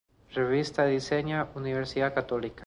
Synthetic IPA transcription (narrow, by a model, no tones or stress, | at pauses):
reβist̪aðiseɲauniβeɾsiðakat̪olika